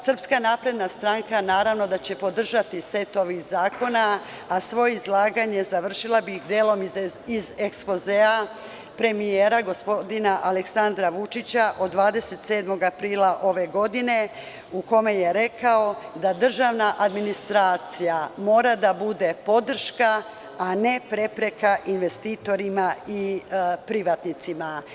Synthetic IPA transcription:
sr̩pskanaːpɾe̞d̪nast̪ɾaŋkanaːɾaʋno̞d̪at͡ɕe̞po̞d̪r̩ʒat̪ise̞t̪o̞ʋixzaːko̞na | asʋo̞jeizlˠaːɡaɲe̞zaʋr̩ʃilˠabixd̪eːlo̞mizekspo̞zea | pɾe̞mijeːɾaɡo̞spod̪inaʔaleksand̪ɾaʋut͡ʃit͡ɕaʔo̞d̪ːʋaːd̪e̞se̞t̪se̞ːd̪mo̞ɡapɾiːlaʔo̞ʋe̞ɡo̞d̪ine̞ | uko̞me̞je̞ɾe̞kao̞d̪ad̪r̩ʒaʋnaʔad̪minist̪ɾaːt̪sijamo̞ːɾad̪abud̪e̞po̞d̪r̩ʃka | ane̞pɾe̞pɾe̞kaʔinʋe̞st̪iːt̪o̞ɾimaipɾiʋat̪nit̪sima

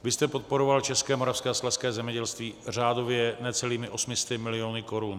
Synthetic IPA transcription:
vɪst̪ɛpot̪̚po̞ɾo̞valt͡ʃɛskɛːmoɾafskɛːsklafskɛːzɛmɲɛɟɛlst̪viːr̝aːdo̞vjɛnɛt͡sɛliːmɪʔo̞smɪst̪ɪmɪlɪo̞nɪko̞ɾun

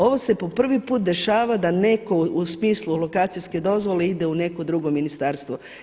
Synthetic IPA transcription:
o̞ʋo̞se̞po̞pr̩ʋipuːt̪̚d̪e̞ʃaːʋad̪ane̞ko̞usmiːslˠulo̞kaːt̪sijske̞d̪o̞zʋo̞le̞id̪e̞une̞ko̞d̪ɾuɡominist̪aːɾst̪ʋo

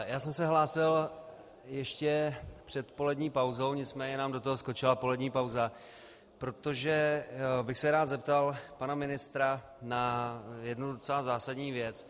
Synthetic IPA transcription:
jaːsɛmsɛɦlaːsɪl | jɛʃcɛpr̝̥ɛt̪po̞lɛdɲiːpawzo̞wɲɪt͡smɛːɲɛnaːmdo̞t̪oɦosko̞t͡ʃɪlapo̞lɛdɲiːpawza | pɾo̞t̪o̞ʒɛbɪxsɛɾaːt̪zɛp̚t̪alpanamɪnɪst̪ɾa | najɛdnudot͡sɛlazaːsadɲiːvjɛt͡s

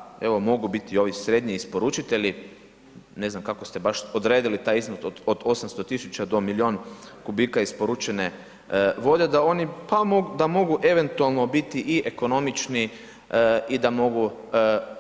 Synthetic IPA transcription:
e̞ʋomo̞ɡubit̪io̞ʋisɾed̪ɲiispoɾut͡ʃit̪e̞ʎʲi | ne̞znamkakost̪e̞baʃod̪ɾeːd̪ilit̪aːjiznot̪od̪od̪o̞samst̪o̞t̪isut͡ʃad̪o̞milio̞ːnkubikaispoɾut͡ʃene | ʋo̞d̪ed̪ao̞nipamoɡd̪amo̞ɡuʔe̞ʋe̞nt̪ualˠno̞bit̪iʔiʔeko̞no̞mit͡ʃni | id̪amo̞ɡu

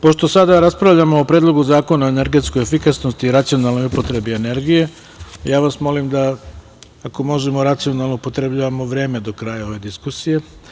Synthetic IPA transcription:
po̞ʃt̪o̞sad̪aɾaspɾaʋʎamoːpɾed̪lˠo̞ɡuzaːko̞naoene̞ɾɡe̞t̪sko̞jefikasnost̪iːɾat̪sijo̞nalˠno̞jupo̞t̪ɾe̞biene̞ɾɡije̞ | jaːʋasmo̞limd̪aː | ko̞mo̞ʒe̞mo̞ɾat̪sijo̞nalˠno̞upo̞t̪ɾe̞bʎaːʋamo̞ʋɾe̞ːme̞d̪o̞kɾaːjao̞ʋe̞d̪iskusije̞

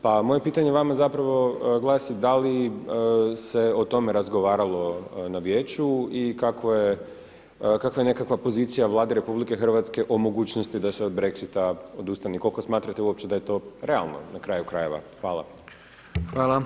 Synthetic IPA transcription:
pamo̞je̞piːt̪aɲeʋamazapɾaʋo̞ɡlˠaːsid̪ali | se̞ot̪o̞me̞ɾazɡo̞ʋaːɾalˠo̞naʋjeːt͡ɕuikakʋoje | kakʋaje̞ne̞kakʋapo̞zit̪sijaʋlˠaːd̪iɾe̞publike̞xr̩ʋat̪ske̞ʔo̞mo̞ɡuːt͡ɕnost̪id̪aseod̪bɾe̞ksit̪ao̞d̪ust̪aniko̞lˠko̞smaːt̪ɾat̪e̞uop̚t͡ɕed̪aje̞t̪o̞ɾe̞a̰lˠno̰nakɾaːjukɾaje̞ʋa̰xʋaːlˠa̰ | xʋaːlˠa

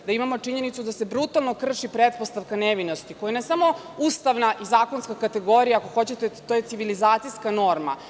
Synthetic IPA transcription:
d̪aimamo̞t͡ʂiɲe̞nit̪sud̪ase̞bɾut̪alˠno̞kr̩ʃipɾet̪̚post̪aʋkaneʋinost̪ikojanesamo̞ | ust̪aʋnaʔizaːko̞nskakat̪e̞ɡo̞ɾijaːko̞xo̞t͡ɕet̪et̪ojet̪iʋilizaːt̪sijskano̞ɾma̰

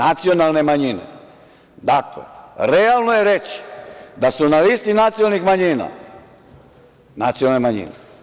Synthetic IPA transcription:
at̪sijo̞nalˠne̞maɲinḛ | d̪aklḛɾealˠnojeɾet͡ɕi̥d̪asunalist̪inat̪siolnixmaɲina̰ | nat̪sijonalnemaɲḭne

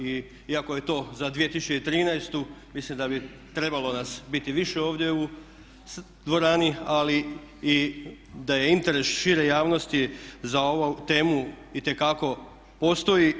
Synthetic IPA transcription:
i | iako̞je̞t̪o̞zad̪ʋije̞t̪isut͡ʃit̪ɾiːnajst̪umislimd̪abi | t̪ɾe̞balˠo̞nasbit̪iʋiʃe̞o̞ːʋd̪jeu | d̪ʋo̞ɾaːnialii | d̪aje̞int̪e̞ɾe̞sʃiɾe̞jaːʋno̞st̪izao̞ʋot̪e̞ːmu | it̪e̞kako̞ | po̞st̪o̞ji

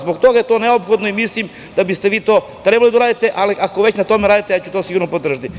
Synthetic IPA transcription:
zbokt̪o̞ɡajet̪o̞ːneopxod̪noimislim | d̪abist̪eʋiːt̪o̞ː | t̪ɾebalid̪auɾaːd̪it̪e̞ʔaliʔako̞ʋe̞t͡ɕnat̪o̞meɾaːd̪it̪ejaːt͡ɕu̥t̪o̞ːsiɡuɾnopod̪r̩ʒat̪i

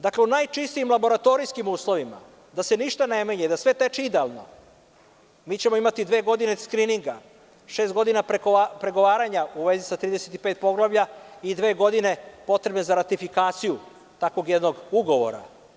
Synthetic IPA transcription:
d̪akleunajt͡ʂist̪iːmlˠabo̞ɾat̪o̞ɾijskimuːslˠo̞ʋima̰ | d̪ase̞niʃt̪ane̞meɲed̪asʋe̞t̪e̞t͡ʃiid̪ealˠno̰ | miːt͡ɕemo̞imat̪id̪ʋe̞ːɡo̞d̪ineskɾiniŋɡa | ʃest̪ɡo̞d̪inapepɾe̞ɡo̞ʋaːɾaɲauʋe̞zisat̪ɾiːd̪eset̪ipe̞ːt̪̚po̞ɡlˠaʋʎaid̪ʋe̞ːɡo̞d̪ine̞po̞t̪ɾebnezaɾat̪ifikaːt̪siju | t̪ako̞ɡjed̪noɡuɡo̞ʋo̞̰ɾa̰

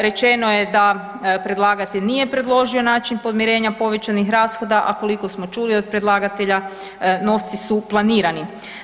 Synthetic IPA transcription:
ɾe̞t͡ʃe̞no̞jed̪a | pɾe̞d̪lˠaːɡat̪eʎnije̞pɾe̞d̪lˠo̞ʒio̞naːt͡ʃinpo̞d̪miɾe̞ːɲapo̞ʋe̞t͡ɕanixɾaːsxo̞d̪aʔa̰ko̞liko̞smo̞t͡ʃuliod̪̚pɾe̞d̪lˠaːɡat̪e̞ʎa | no̞ft̪sisuplˠaniːɾani

